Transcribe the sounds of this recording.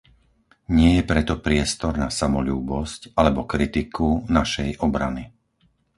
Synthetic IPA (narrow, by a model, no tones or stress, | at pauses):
ɲɪɛjɛpɾɛt̪ɔpɾɪɛst̪ɔɾnasamɔʎuːbɔscalɛbɔkɾit̪ikʰunaʃɛjʔɔbɾa̰ni